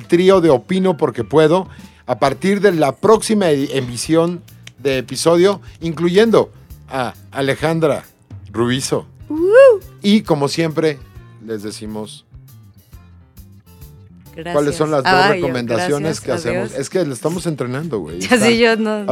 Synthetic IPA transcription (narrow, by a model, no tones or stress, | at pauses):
lt̪ɾio̞ðe̞o̞pino̞po̞ɾke̞pwe̞ðo̞ | apaɾt̪iɾðe̞lapɾo̞ksimaembisjo̞n | d̪e̞ːpiso̞ðjo̞iŋkluʝe̞nd̪o̞ | aː | le̞xand̪ɾa̰ | ruiso̞̰uiko̞mo̞sje̞mpɾe̞le̞zðe̞simo̞s | walesːo̞nlazðorekomend̪asjo̞neskeasemose̞skelasest̪amose̞nt̪ɾe̞nãnd̪o̞̰ɣwḛjson